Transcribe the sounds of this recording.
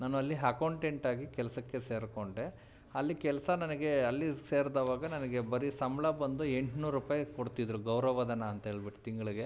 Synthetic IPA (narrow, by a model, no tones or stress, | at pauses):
naːnuɐlːiɦɐkɐwɳʈeɳʈaːɡikɛlɐsɐkːe̞se̞ːɾkoɳɖe̞ | ɐlːikɛlɐsɐnɐnɐɡe̞ɐlːise̞ːɾd̪aːʋaːɡɐnɐnɐɡe̞bɐɾisɐmlɐbːɐnd̪ueɳʈnuːɾɾupaːjkoɽt̪id̪ɐɾuɡɐwɾɐʋɐd̪ɐnɐːnt̪ɐɦeːɭbiʈu̥t̪iŋɡɐɭiɡe̞